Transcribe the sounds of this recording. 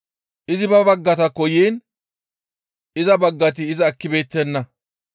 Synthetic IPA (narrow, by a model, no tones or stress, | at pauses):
ʔɪzɪbɐbɐɡːɐt̪ɐkːɔjiːn | ɪzɐbɐɡːɐt̪̬ɪːzɐːkːɪbe̞ːt̪ːɛnːɐ